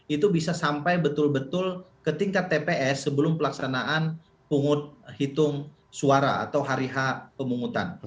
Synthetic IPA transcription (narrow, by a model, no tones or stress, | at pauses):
it̪ubisasampajbət̪ʊlbət̪ʊlkət̪iŋkat̪ːepeʔɛsːəbəlʊmpəlaksanaʔan | puŋʊt̪̚hit̪ʊŋ | suaɾa̰a̰t̪awɦaɾiɦapəmuŋut̪a̰n